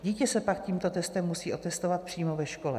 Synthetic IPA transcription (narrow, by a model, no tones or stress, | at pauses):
ɟiːcɛsɛpakciːmt̪o̞t̪ɛst̪ɛmːusiːʔo̞t̪ɛst̪o̞vat̪̚pr̝̥iːmo̞vɛʃko̞lɛ̰